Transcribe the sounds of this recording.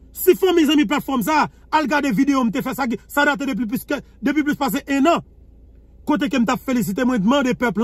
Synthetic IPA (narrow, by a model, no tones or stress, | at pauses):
sifɐ̃mijzɐ̃mĩp̬lat̪fɔms̬aː | alɡadevid̪eom̩t̪̬efɛsak̬isadat̪̬edep̬ipsk | d̪ep̬wiplyspas̬eʔɛ̃nɐ̃ | kot̪̬ek̬em̩t̪apfelis̬it̪emw̃ɛ̃d̪mɐ̃d̪epɛpl